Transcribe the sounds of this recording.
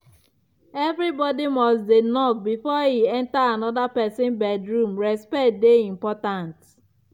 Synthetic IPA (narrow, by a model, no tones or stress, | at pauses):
evɾibɔdimɔsdenɔk̚bifɔhiɛ̃ntaanɔdapɛsɪ̃nbɛdɹũmɹɛspɛt̚deĩmpɔtãnt